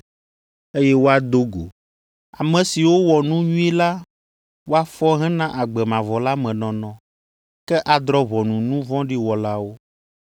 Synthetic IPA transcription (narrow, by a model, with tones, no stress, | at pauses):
e˦jɛ˦wo˦a˨d̪o˦ɡo̰˨ | a̰˨mɛ̃˨si˨wo˦wɔ˨nũ˦ɲũ˦ɛ˦la˦ | wo˦a˦fɔ˦ɦɛ̃˦nã˦ʔa˨ɡ͡bɛ˨mã˨vɔ˨la˦mɛ̃˨nɔ̃˨nɔ̃˨ | kɛ˦ʔa˨d̪ɾɔ˦βɔ˨nũ˨nũ˦vɔ̃˦ɖi˦wɔ˨la˦wo˦